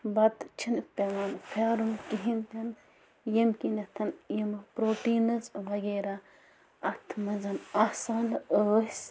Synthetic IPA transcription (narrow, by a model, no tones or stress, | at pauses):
bɐt̪t͡ʃʰinpʲeʋaːnfʰeːɾumkiɦint̪ɐn | jɐmkinɐt̪ʰɐnjɐmpɾoːʈiːnɐzʋɐɡeːɾa | ɐt̪ʰmɐzɐnɐsaːnəːs